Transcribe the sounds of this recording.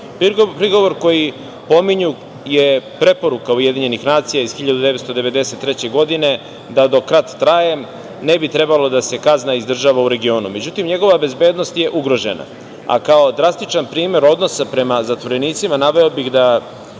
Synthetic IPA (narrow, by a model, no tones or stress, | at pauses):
popɾiɡo̞ʋoɾko̞ji | po̞miɲu | jepɾe̞po̞ɾukauje̞d̪iɲe̞nixnaːt̪sijaizxiʎad̪ud̪e̞ʋet̪st̪od̪e̞ʋe̞d̪e̞se̞t̪ːɾe̞t͡ɕe̞ɡo̞d̪ine̞ | d̪ad̪o̞kɾat̪ːɾajem | ne̞bit̪ɾe̞balo̞d̪ase̞kaznaizd̪r̩ʒaːʋauɾe̞ɡio̞ːnṵme̞d͡ʑut̪imɲe̞ɡo̞ʋabe̞zbe̞ːd̪no̞st̪je̞ʔuɡɾo̞ʒe̞̰na̰ | a̰kao̞d̪ɾast̪it͡ʃanpɾiːme̞ɾo̞d̪no̞sapɾe̞mazat̪ʋo̞ɾe̞niːt̪simanaʋe̞obixd̪a